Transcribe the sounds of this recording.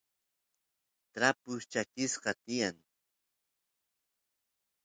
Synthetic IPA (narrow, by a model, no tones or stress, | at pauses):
t̪ɾapʊst͡ʃakɪsqɑt̪ɪjaŋ